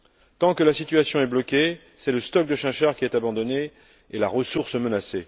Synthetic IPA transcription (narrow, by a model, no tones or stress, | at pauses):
t̪ɑ̃kəlasit̪ɥasjɔ̃ɛblɔkʲe | sɛləst̪ɔk̚d̪əʃɛ̃ʃaʁkʲiɛt̪abɑ̃d̪ɔneː | laʁəsuʁsmənase